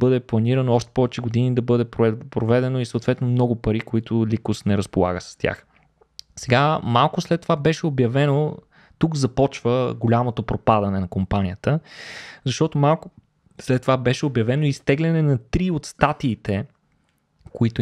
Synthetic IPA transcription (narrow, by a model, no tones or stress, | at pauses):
bɤd̪ɛplˠɐniɾənoɔʃt̪ɛ̥pɔvɛt͡ʃɛɡod̪inid̪ɐbɤd̪ɛppɾovɛd̪ɛnoisɐwt̪vɛt̪nomnɔɡʊpɐɾikoit̪ʊlʲikʊsnɛɾɐspolˠa̰ɡəsɐ̥st̪ʲja̰x | sɛɡamalˠkʊslɛt̪ːovabɛʃɛobjɐvɛno | t̪ukzɐpɔt͡ʃvəɡolʲamot̪opɾopad̪ɐnɛnɐkompanʲijət̪əzɐʃt̪ɔt̪omalˠkʊ | slɛt̪ːovabɛʃɛobjɐvɛnoist̪ɛɡlʲɛnɛnɐt̪ɾiot̪st̪at̪iːt̪ɛ | koit̪ʊ